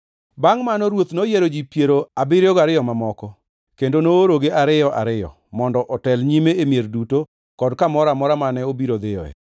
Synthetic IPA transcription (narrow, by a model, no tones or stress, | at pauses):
baŋmanɔɾwot̪nojeɾod͡ʒipjeɾoabɪɾɔɡaɾɪjɔmamɔkɔ | kendonooɾoɡeʔaɾɪjɔʔa̰ɾɪjɔ̰ | mɔndɔʔɔtɛlɲimeemjerduto | kɔdkamɔɾamɔɾamanɛobiɾod̪ɪjɔ̰ɛ̰